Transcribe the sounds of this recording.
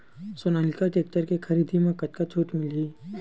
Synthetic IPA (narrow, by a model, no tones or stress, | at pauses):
sonaːlɪkaʈeːk̚ʈəɾkexʰɐɾiːd̪ʱimẽkɐt̪kat͡ʃʰuːʈmɪliː